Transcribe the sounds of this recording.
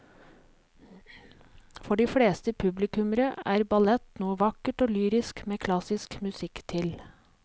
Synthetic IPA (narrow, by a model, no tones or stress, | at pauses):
fɔɖiːfɽeːst̪əpʰʉblɪkʉməɾəæːɾbɑlɛt̪nuːəʋɑkəʈoːlyːɾɪskmeːkʰlɑsɪskmʉsɪkt̪ʰɪl